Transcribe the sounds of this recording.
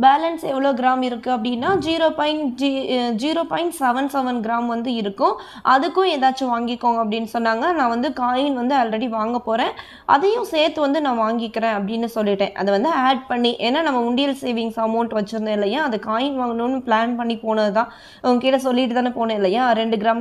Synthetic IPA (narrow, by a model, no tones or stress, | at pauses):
baːlɐnsɛʋːɐɭoːɡɪɾaːmɪɾɯkːɯɐp̬ːɐɽɪnːaːd͡ʒiːɾoːpɐɪɳʈd͡ʒid͡ʒiːɾoːpaːɪɳʈsɛʋɐnsɛʋɐnɡɪɾaːmʋɐnd̪ɯɪɾɯkːʊ̃ | ʔɐðɯkːʊ̃eːðaːt͡ʃːɯʋaːŋɡɪkːoːŋɡɐpːɐɽɪnːɯsɔnːaːŋɡɐnãːʋɐnd̪ɯkaːjɪnʋɐnd̪ɯɐlɾɐɽiʋaːŋɡɐpoːɾẽː | ʔɐ̰ðɐjʊ̃seːɾt̪ːɯʋɐnd̪ɯnãːʋaːŋɡɪkːɪɾẽːɐpːɐɽɪnːɯsɔlːɪʈːẽːʔɐ̰ðɐʋɐnd̪ɯaːɖ̚pɐɳːiʔeːnːaːnɐmːɐʊɳɖɪjɐlseːʋɪ̃ŋɡsɐmoːʈʋɐt͡ʃːɯɾɯnd̪ɐɪlːɐjaːɐðɯkaːjɪnʋaːŋɡɐnʊnːɯplaːnpɐɳːipoːnɐðɯt̪ãː | ɐɐɡɐkiːʈɐs̬ɔlːɪʈːɯt̪ãːnepoːnẽɪlːɐjaːɾɛɳɖɯɡɪɾaːm